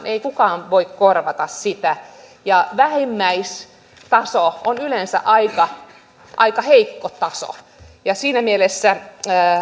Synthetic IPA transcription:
neikukɑːnʋoikkorʋɑt̪ɑssit̪æ | jɑʋæhemːæis | t̪ɑsoonylensæ̰ʔɑikɑ | ʔɑikɑheikːot̪ɑso̰ | jɑsiːnæmielesːæ

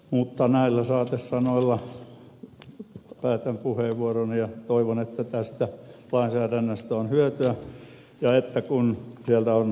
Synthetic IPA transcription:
mut̪ːɑnæilːæsɑːt̪essɑnoilːɑ | pæːt̪æmpuheːʋʋuoronijɑt̪oiʋonet̪ːæt̪æst̪ælɑinsæːdænːøst̪æonhyøt̪yæ | jɑet̪ːækunsielt̪æon

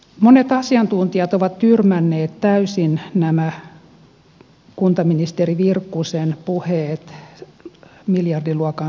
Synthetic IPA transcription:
monet̪ɑsiɑnt̪unt̪iɑt̪oʋɑt̪t̪yrmænːeːt̪t̪æysinnæmæ | kunt̪ɑminist̪eriʋirkːusenpuheːt̪ | miljɑrdiluɑkɑ

